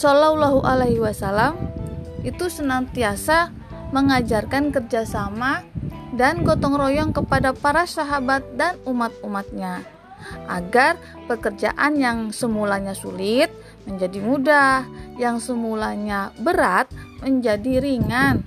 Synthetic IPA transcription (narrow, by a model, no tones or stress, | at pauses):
sɔlawlaɦuʔalaɦwasalamit̪usənant̪iasa | məŋad͡ʒarkankərd͡ʒasamadanɡot̪ɔŋrojɔŋkəpadapaɾasaɦabat̪̚danumat̪̚umat̪̚ɲa | ʔaɡar | pəkərd͡ʒa̰ʔanjaŋsəmulaɲasulɪt̪̚ | məɲd͡ʒadimudahjaŋsəmulaɲabəɾat̪̚məɲd͡ʒadiɾiŋan